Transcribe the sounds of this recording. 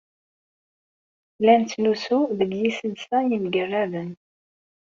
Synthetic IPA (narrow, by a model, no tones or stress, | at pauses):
lænt͡sːlusuðəɡjisənsæjəmɡərːævən